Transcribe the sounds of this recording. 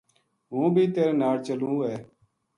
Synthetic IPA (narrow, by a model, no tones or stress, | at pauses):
ɦũːbʱiːt̪eːɾeːnaːlt͡ʃəlũːɛː